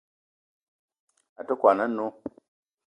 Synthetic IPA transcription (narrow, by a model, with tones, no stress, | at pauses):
a˨tə˦kwa˨na˦nːu˦